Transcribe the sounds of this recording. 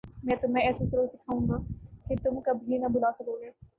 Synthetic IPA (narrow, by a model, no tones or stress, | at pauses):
mɛ̃ːt̪ʊmɛ̃ɛːsesɐɾoːsɪkʰaːũːŋɡaːkɪt̪ʊmkɐbʱinɐbʊlaːsɐkoːɡeː